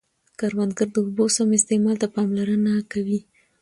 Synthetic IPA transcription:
kɑɾwand̪ɡəɾd̪əubosamɪst̪emɑlt̪apɑmlaɾənakawi

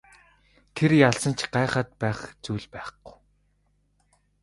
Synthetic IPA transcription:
t̪ʰeɾjaɮsə̆nt͡ɕʰɢaːχə̆t̪̚pæːχt͡suːɮpæːχɡ̥ʊ̥j

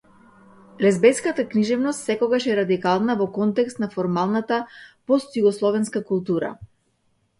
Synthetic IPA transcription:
lɛzbɛskat̪akniʒɛvnɔst̪sɛkɔɡaʃɛɾad̪ikalˠnavɔkɔnt̪ɛkst̪nafɔɾmalˠnat̪apɔst̪juɡɔslˠɔvɛnskakulˠt̪uɾa̰

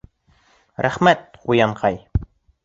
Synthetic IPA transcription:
ɾæχmæt̪̚qujɑɴqʰɑj

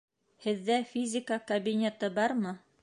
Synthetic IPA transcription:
hɘ̆ðːæfʲizʲɪkəkɐbʲinʲet̪ɤbɑɾmɤ

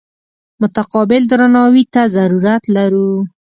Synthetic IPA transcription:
mʊt̪aqɑbɪld̪ɾanɑwit̪azaɾuɾat̪laɾu

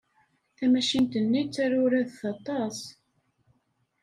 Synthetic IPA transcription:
θæmæʃint̪ənːit͡sːæɾʊɾæðθɑt̪ˤɑs

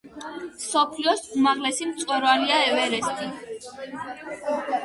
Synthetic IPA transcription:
sɔpʰliɔsumaʁlɛsimt̪sʼɛɾvaliaɛvɛɾɛsk̪ʼi

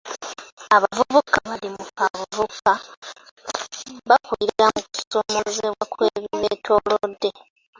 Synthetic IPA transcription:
aβavuβukaβalimukavuβuka | βakwiiɾeɾamuku̥so̞mozeβwakweːβiβeːtʰo̞lodːe̞

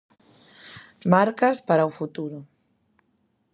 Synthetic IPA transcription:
maɾkaspaɾaufut̪uɾʊ

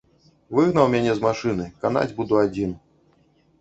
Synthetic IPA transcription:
vɨɣnɐwmʲanʲɛzmaʂɨnɨkan̪a̰d͡zʲbud̪uad͡zʲin

